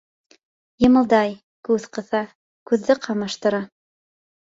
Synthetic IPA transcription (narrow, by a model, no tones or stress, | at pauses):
jɤ̆mɤ̆lˠd̪ɑj | kʉðqɤ̆θɑ | kʉðːɘqʰɑmɑʃt̪ɤ̆ɾɑ